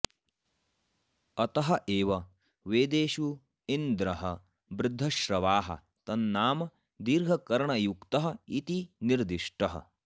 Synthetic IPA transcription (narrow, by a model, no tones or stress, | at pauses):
ɐt̪ɐɦɐʔeːʋɐ | ʋeːd̪eːʃu | ind̪ɾɐɦɐ | bɾɪd̪ʱːɐʃɾɐʋaːɦɐ̰ | t̪ɐnːaːmɐ | d̪iːɾɡʱɐkɐɾɐɳɐjukt̪ɐɦɐit̪iniɾd̪iʂʈɐɦɐ̰